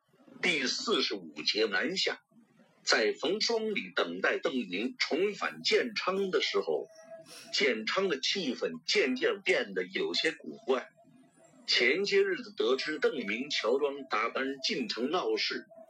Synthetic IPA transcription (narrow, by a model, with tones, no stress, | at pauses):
t̪i˥˧sɹ̩˥˧ʂɻ̩˧˥u˨˩t͡ɕjɛ˧˥na˧˥nɕja̰˥˩˦ | t͡sa˥˩ɪfɤ˧˥ŋʂwɑ˥ŋli˨˩t̪ɤ˨˩ŋt̪a˥˧ɪt̪ɤ˥˩ŋmi˧˥ŋʈ͡ʂʰʊ˧˥ŋfa̰˨˩nt͡ɕjɛ˥˩nʈ͡ʂʰɑ˥ŋd̪ə˨ʂɻ̩˧˥xo̰˧ʊt͡ɕjɛ˥˩nʈ͡ʂʰɑ˥ŋd̪ə˨t͡ɕʰi˥˩fə˥˩nt͡ɕjɛ˥˧nt͡ɕ̪jɛ˥˧˩pjɛ˥˩nd̪ə˩jo˨˩ʊɕjɛ˥ku˨˩kwa˥˩n | t͡ɕʰjɛ˧˥nt͡ɕjɛ˥ɻ̩˥˩d͡zə˨˩t̪ɤ˧˥ʈ͡ʂʰɻ̩˥t̪ɤ˥˩ŋmi˧˥ŋt͡ɕʰjɑ˧˥ʊʈ͡ʂwɑ˥ŋt̪a˥˩pa˥nt͡ɕi˥˩nʈ͡ʂʰɤ˧˥ŋnɑ˥˧ʊʂɻ̩˥˩